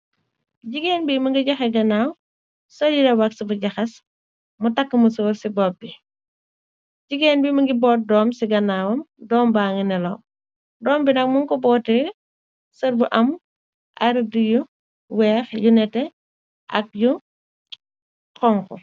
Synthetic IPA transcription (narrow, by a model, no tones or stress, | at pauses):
ɟiɡeːnbimɐŋɡiɟɐxɛɡɐnaːw | sɔjiɾɛwɐksibuɟɐxɐs | mutɐkːəmusɔːrsibɔp̚bːi | ɟiɡeːnbimɐŋɡibɔːt̚dɔːmsiɡɐnaːwɐmdɔːmbaːŋinɛlɐw | dɔːmbinɐk̚muŋkɔbɔːtɛ | sɐɾbuʔɐm | ʔɐɾduju | wɛːxjunɛtːɛ | ʔɐ̰k̚ju | kɔŋkɔ̰